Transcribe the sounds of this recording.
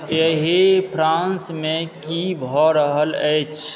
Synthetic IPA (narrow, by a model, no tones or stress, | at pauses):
jəɦipʰɾãːnsmẽkibʱɔɾəɦələt͡ʃʰ